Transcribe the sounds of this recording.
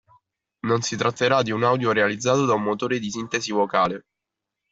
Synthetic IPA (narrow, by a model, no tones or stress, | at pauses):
nonsit̪ɾat̪ːeɾad̪iunawd̪joɾealid̪zːaːt̪od̪aumːot̪oːɾed̪isint̪esivokaːle